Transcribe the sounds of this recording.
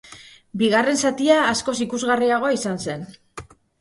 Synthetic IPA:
biɣare̞nsat̪iaːsko̞sikuzɣariaɣ̞o̞isanse̞n

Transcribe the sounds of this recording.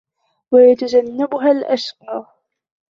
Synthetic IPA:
wajat̪ad͡ʒanːabʊɦalʔaʃqɑː

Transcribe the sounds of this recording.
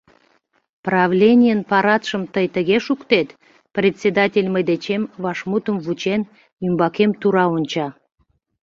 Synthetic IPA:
prɑvlʲenʲijənpɑɾɑt̪ʃəmt̪əjt̪əɣeʃukt̪et̪ | prʲet̪ʲsʲed̪ɑtʲelʲməd̪et͡ɕemvɑʃmut̪əmvut͡ɕen | ymbɑkemt̪uɾɑonʲt͡ɕɑ

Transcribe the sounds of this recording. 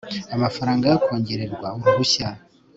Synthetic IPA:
amafaɾaːŋɡajokoːɲɟeɾe̞ɾɡwaŋɡuβuça

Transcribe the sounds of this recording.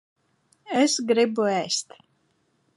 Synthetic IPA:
ɛsɡɾibuæːst̪

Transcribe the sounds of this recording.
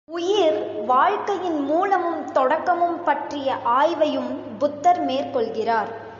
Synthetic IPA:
ʊjɪɾʋaːɻkɐjɪnmuːlɐmɯmt̪ɔɽɐkːɐmɯmpɐʈrɪjɐʔaːjʋɐjɯm | bʊt̪ːɐɾmeːrkɔɭɣɪraːɾ

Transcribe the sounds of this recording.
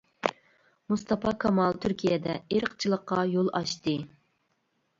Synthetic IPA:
must̪ɑpʰɑkʰɑmɑlˠt̪ʰyɾkʲʰijɛd̪ɛeɾəqt͡ʃʰilˠəqːɑjolˠɑʃt̪ɨ

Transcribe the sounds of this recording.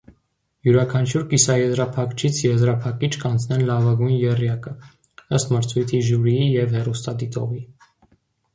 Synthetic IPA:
juɾɑkʰɑnt͡ʃʰuɾkisɑjɛzɾɑpʰɑkt͡ʃʰit͡sʰjɛzɾɑpʰɑkit͡ʃʰkɑnt͡sʰnɛnlɑvɑɡujnjɛrjɑkə | əst̪məɾt͡sʰujt̪ʰiʒuɾijijɛvhɛrust̪ɑd̪it̪ɔ̰vi

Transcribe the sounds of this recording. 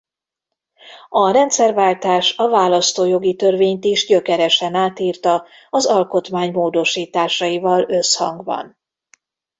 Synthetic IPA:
ɒɾɛnt̪sɛrvaːlt̪aːʃɒvaːlɒst̪oːjo̞ɡit̪ørveːɲt̪iʒɟø̞kɛɾɛʃɛnaːt̪iːrt̪ɒ | ɒzɒlko̞t̪maːɲmoːd̪o̞ʃiːt̪aːʃɒjivɒlø̞shɒ̰ŋɡbɒ̰n

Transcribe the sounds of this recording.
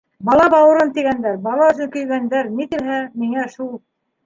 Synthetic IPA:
bɑlˠɑbɑwɤ̆ɾɤnt̪iɡænd̪æɾbɑlˠɑɵ̆zɘŋkɵ̆jɡænd̪æɾnit̪ɘ̆lɦæmiŋæʃulˠ

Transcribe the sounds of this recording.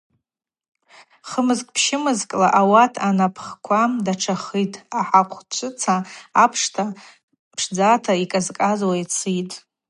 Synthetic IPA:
χəmɨzkʼpʰʃɪmɨzkʼlaʔawatʰanapʰχkʷʰamdaʈ͡ʂʰaχijtʰʼaħaqʷʰt͡ʃʷʰɨt͡sʰaːpʰʂtʰa | pʰʂd͡zatʰaikʼazkʼazwajt͡sʰitʼ

